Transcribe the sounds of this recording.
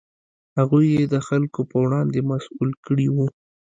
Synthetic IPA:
haɣujːed̪əxalkopəwɽɑnd̪emasulkəɽiwu

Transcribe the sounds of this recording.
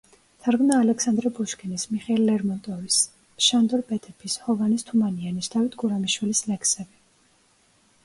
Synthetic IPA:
t̪ʰaɾɡmnaːlɛksand̪ɾɛbuʃkʰʼinismiχɛlːɛɾmɔnt̪ʼɔvis | ʃand̪ɔɾpʼɛt̪ʰɛpʰishɔvanist̪ʰumanianisd̪̥avit̪ʰɡuɾamiʃwilislɛkʰsɛbi

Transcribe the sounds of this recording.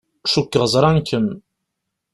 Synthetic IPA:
ʃukːəʁəzˤɾˤɑnkən

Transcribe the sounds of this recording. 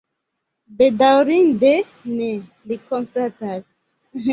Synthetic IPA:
bedawɾĩnde | ne | likõnstatas

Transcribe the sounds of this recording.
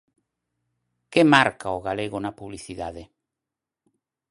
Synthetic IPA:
kemaɾkaoɣaleɣonapuβliθiðaðe

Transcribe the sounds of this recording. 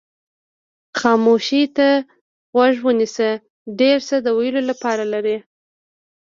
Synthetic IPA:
xɑmoʃit̪a | ɣwaʒwənisə | ɖeɾsəd̪əwajəlolapɑɾalaɾi

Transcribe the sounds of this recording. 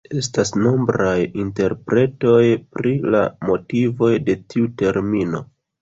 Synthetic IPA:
e̞stasno̞mbɾajinte̞ɾpɾʔe̞to̞jpɾila̰mo̞tivo̞jde̞tiute̞ɾmino̞

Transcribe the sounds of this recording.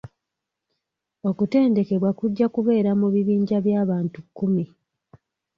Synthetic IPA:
o̞kute̞ːnde̞ke̞βwakuɟːakuβe̞ːɾamuβiβiːɲɟaβjaːβaːntukːumi

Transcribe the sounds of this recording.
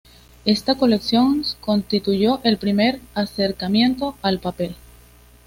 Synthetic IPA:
e̞st̪ako̞le̞ksjo̞ŋsko̞nst̪it̪uʝo̞ʔe̞lpɾime̞ɾase̞ɾkamje̞nt̪o̞alpape̞l

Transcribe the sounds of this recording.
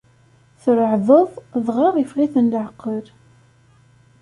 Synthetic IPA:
θəɾəʕðˤoðˤðˤʁɑʁifʁiθənd̪əʕəqːəɾ

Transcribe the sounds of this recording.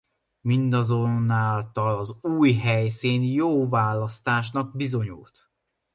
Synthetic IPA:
mind̪ɒzo̞nːaːlt̪ɒlɒzuːjɦɛjsiːnjoːvaːlːɒst̪aːʃ̬nɒɡ̚bizo̞ɲṵlt̪

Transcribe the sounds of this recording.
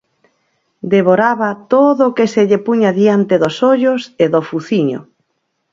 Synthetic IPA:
d̪eβoɾaβat̪oðʊkeseʎepuɲaðiant̪eðosoʎoseðofuθiɲo̰

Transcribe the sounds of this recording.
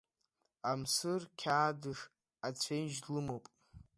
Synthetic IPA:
amsɨrkʲʰaːdɨʂ | at͡ɕʷʰejnʒlɨmowpʼ

